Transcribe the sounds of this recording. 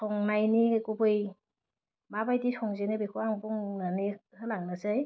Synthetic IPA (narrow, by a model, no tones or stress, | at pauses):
sʰɔŋnajnikubɯj | mabajdisʰɔŋzenɯbekʰuaŋbuŋnanihɯlaŋnasaj